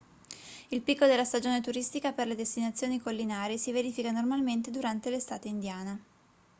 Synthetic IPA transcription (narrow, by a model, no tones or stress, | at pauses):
ilpikːod̪elːast̪ad͡ʒoːnet̪uɾist̪ikaperled̪est̪inat̪sːjoːnikolːinaːɾiesiveɾiːfikanormalment̪ed̪uɾant̪elest̪aːt̪eind̪jaːne